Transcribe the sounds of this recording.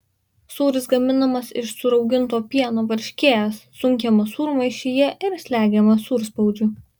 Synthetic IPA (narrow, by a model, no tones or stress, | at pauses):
suːɾʲɪsɡɐmʲɪnɐmɐsɪʃsʊɾɒʊɡʲɪnt̪oːpʲiɛnoːʋɐɾʲʃʲkʲeːjɛssːʊŋʲkʲɛmɐsuːɾmɐɪʃʲɪjɛʔɪɾsʲlʲæːɡʲɛmɐsuːɾspɒʊd͡ʒʲu